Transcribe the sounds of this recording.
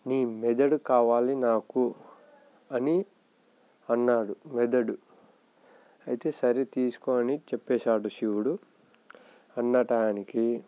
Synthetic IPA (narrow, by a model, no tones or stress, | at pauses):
niːmɛd̪ɐɽukaːʋaːlinaːku | ɐni | ɐnːaːɽumɛd̪ɐɽu | ɐjit̪e̞ːsɐɾit̪iːsu̥koːɐnit͡ʃepːɛːʃaːɽuʃiwuɽu | ɐnːɐʈaːniki